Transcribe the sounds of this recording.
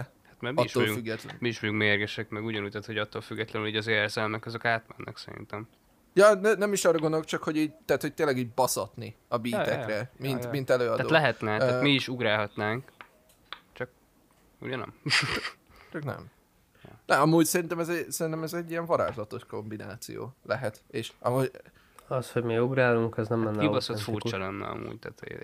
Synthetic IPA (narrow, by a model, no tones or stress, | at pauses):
hat̪mɛɒiʃːoːoufyɡːɛt̪lmiiʃmojuŋkmeːrɡɛʃɛkmɛɡuɟɒnuːc̚t̪aːt̪ho̞ɟɒt̪ːoːlfyɡːɛt̪lɛnyliːɟɒzeːrzɛlmɛkɒzo̞kaːt̪mɛnːʔɛ̰ksɛɾḭnt̪ɛm | jɒnɛnɛmiʃɒːrɒɡo̞nd̪olkt͡ʃɒkho̞ɟiːɟt̪ɛɦat̪ho̞c̚t̪eːnlːɛɡiːɟ̚bɒsɒt̪niɒbiːt̪ɛkrɛminmint̪ɛløːɒd̪aːoːlɛɦɛt̪nɛat̪miiʃuɡɾaːlɦɒt̪naːŋk | t͡ʃɒk̚ | ṵɟɒnɛ̰m | t͡ʃɒknɛ̰m | nɛɒmuːɟsɛɾint̪ɛmɛzɛsɛɾint̪ɛmɛzɛɟːiɛɱvɒɾa̰ːʒzɒt̪o̞ʃko̞mbina̰ːt̪sḭjo̰ːlɛɦɛt̪eːʃɒmuːɟ | ɒsho̞ɟmiuɡɾaːluŋkɛznɛmlɛnːibɒsofurt͡ʃt͡ʃɒlɛnːɛ̰ɒ̰mṵːɟt̪a̰ːt̪